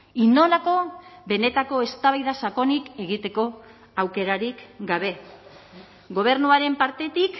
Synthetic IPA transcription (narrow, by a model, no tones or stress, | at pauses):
ino̞lako̞βe̞ne̞t̪ako̞e̞st̪aβajðasako̞nike̞ɣit̪e̞ko̞ | awke̞ɾaɾikɡaβe̞ | ɡo̞β̞e̞ɾnuaɾe̞mpaɾt̪e̞t̪ik